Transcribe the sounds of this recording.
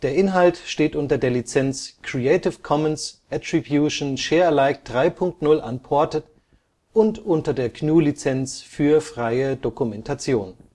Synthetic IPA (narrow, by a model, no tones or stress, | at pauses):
d̥eːɐʔɪnɦaltʃteːtʔʊntɐdeːɐlit͡sɛnt͡skʁ̥ietɪfkʰɔmənsʔatʁ̥ibjuʃnʃeːɐlaɪk̚d̥ʁaɪpʰʊŋk̚tnʊlʔa̰npʰɔɐtət | ʔʊntʔʊntɐdeːɐknuːlit͡sɛnt͡sfyːɐfʁ̥aɪədokumɛntʰat͡sjoːn